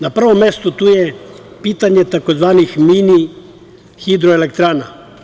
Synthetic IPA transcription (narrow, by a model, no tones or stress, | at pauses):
napr̩ʋomjest̪ut̪uːje | piːt̪aɲet̪akozʋaːnixmini | xid̪ɾoelek̚t̪ɾaːna